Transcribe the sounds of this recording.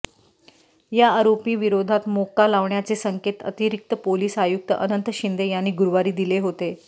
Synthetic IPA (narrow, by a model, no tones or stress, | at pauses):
jaːɾopiːʋiɾod̪ʱat̪mokalaʋɳjat͡sesəŋket̪ə̰t̪iɾik̚t̪əpoliːsajuk̚t̪əʔənənt̪əɕind̪ejanːiːɡuɾʋaɾiːd̪ileɦot̪e